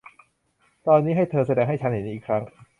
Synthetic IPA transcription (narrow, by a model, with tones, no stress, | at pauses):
t̪ɔː˧nːiː˦˥ɦa˥˩jt̪ʰɤː˧sa˧dɛː˧ŋɦa˥˩jt͡ɕʰnhe˩˦ni˧iː˨˩kʰɾa˦˥ŋ